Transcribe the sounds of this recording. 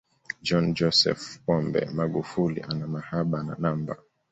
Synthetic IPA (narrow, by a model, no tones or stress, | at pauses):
d͡ʒɔnd͡ʒɔsɛ̰fpɔmbɛ̰maɡufulḭʔanamahaɓana̰namba̰